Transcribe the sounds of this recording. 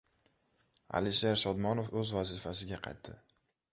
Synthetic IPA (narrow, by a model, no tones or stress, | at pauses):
a̰lɪʃeɾsɒd̪mɒnofɵzvazifasɪɡʲaqʰɑjt̪ʰːɪ